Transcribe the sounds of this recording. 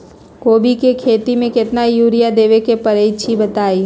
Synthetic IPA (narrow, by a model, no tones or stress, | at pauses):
koːbikekʰeːt̪imẽkɪt̪najuːɾijad̪eːʋekepɐɾeːt͡ʃʰibɐt̪aːiː